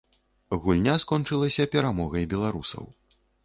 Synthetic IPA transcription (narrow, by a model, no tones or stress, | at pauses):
ɣulʲnʲaskɔnt͡ʂɨlˠɐsʲɐpʲɛɾamɔɣɐjbʲɛlˠaɾusɐ̰w